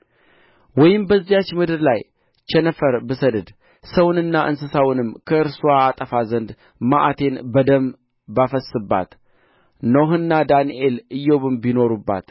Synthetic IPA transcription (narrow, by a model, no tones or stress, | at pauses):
wɔjɪmbəzːijat͡ʃːmɨd̪ɨɾlaj | t͡ʃɛnəfəɾbɨsəd̪əd̪ | səwnɨnːaʔɨnsɨsawnɨmkʰəɨɾsuaːt̪ʼəfazənd̪ | maʔat̪ʰe̞nbəd̪əm | bafəsːɨbːa̰t̪ | noɦɨnːad̪aniʔe̞lɨjːoβɨmbino̞ɾubːa̰t̪